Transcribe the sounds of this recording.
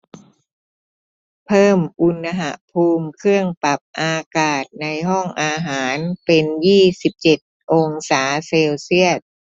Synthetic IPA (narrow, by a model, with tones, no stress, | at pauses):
pʰɤː˥˩mʔu˧nːa˧ɦa˨˧˩ʔpʰuː˧mkʰɯ˥˩əŋpa˨˩p̚ʔaː˧kaː˨˩t̪̚na˧jɦɔ˥˩ŋʔaː˧ɦaː˩˦npe˧njiː˥˩si˨˩p̚t͡ɕe˨˩t̪̚ʔoː˧ŋsaː˩˦seː˧wsi˥˩ət̪̚